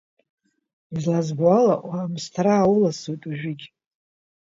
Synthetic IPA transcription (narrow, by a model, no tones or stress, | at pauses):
izlazbʕalaʔwamstʰaɾaːwʊlasutʼuʒᶣɪɡʲʼ